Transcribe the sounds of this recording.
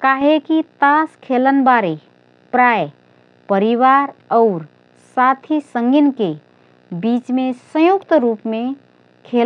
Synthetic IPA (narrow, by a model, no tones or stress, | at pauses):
kaɦekit̪askʰelənbaɾe | pɾaj | pəɾiβaɾəʊɾ | sat̪ʰisəŋɡinke | bit͡ʃmesə̃jukt̪ɾupme | kʰe